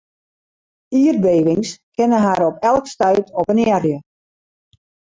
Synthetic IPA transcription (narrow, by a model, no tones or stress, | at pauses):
iːərbeːʋɪŋskʰɪnəɦaɾɔpɛlˠkstœɥtʰɔpənɛrjə